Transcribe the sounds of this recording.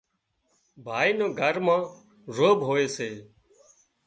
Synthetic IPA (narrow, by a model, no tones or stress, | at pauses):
bʱaːiːnõːɡʱəɾmãː | zoːbɦoːeːseː